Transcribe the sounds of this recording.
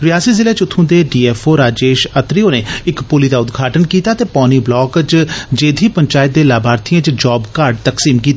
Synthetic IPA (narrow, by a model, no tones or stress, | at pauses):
ɾɪjaːsiːzɪleːt͡ʃʊt̪ʰːũːd̪eːɖiːɛːfʰoːɾaːd͡ʒeːʃət̪ɾioːneːɪkpʊliːd̪aːʊd̪ɡʱaːʈənkiːt̪aːt̪eːpɔːniːblɔːkt͡ʃd͡ʒeːd̪ʱiːpəɲt͡ʃaːɪt̪̚d̪eːlaːbʱaːɾt̪ʰijãːt͡ʃd͡ʒɔːbkaɾɖt̪əksiːmkiːt̪ː